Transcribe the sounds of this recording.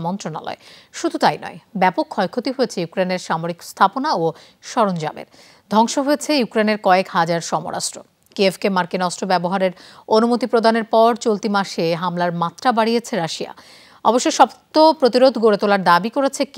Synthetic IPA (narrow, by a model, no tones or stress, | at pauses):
mɔnt̪ɾona̰lɔ̰eʃud̪ʱut̪ajnɔ̰ebɛpokʰːɔjkʰot̪iɦojet͡ɕʰejukɾeneɾʃamoɾikst̪ʰaponao | ʃɔɾond͡ʑa̰mḛɾ | d̪ʱɔŋʃoɦojet͡ɕʰejukɾeneɾkɔekhad͡ʑaɾʃɔmo̰ɾa̰ʃʈɾo̰ | kievkemaɾkinɔsʈɾobɛboɦaɾeɾonumot̪ipɾod̪ʱaneɾpɔɾt͡ɕolt̪imaʃeɦamlaɾmat̪ːɾabaɽijet͡ɕʰeɾaʃia̰ | ɔboʃːojʃɔbt̪opɾot̪iɾod̪ʱɡoɾet̪olaɾd̪abikoɾet͡ɕʰek